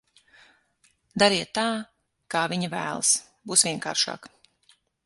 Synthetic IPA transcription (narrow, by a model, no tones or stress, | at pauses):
d̪aɾiɛt̪ːaː | kaːviɲavæ̰ːl̰ˠs | buːsvʲiɛŋka̰ːɾʃa̰ːk